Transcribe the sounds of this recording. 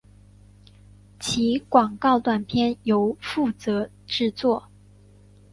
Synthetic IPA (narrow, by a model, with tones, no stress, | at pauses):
t͡ɕʰi˧˥kwɑ˨˩ŋkɑ˥˧ʊt̪wa˥˩npʰjɛ˥˩njo˧˥ʊfu˥˩t͡sɤ˧˥ | ʈ͡ʂɻ̩˥˧t͡swɔ˥˩